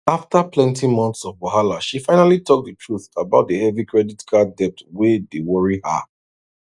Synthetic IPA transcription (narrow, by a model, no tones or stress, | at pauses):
aftaplɛ̃ntimɔ̃nθsɔvbɔɦalaʃifãɪnalitʰɔk̚dətʰɹuθabaʊt̚dəhɛvikɹɛditkʰadɛp̚twedewəɹihə̰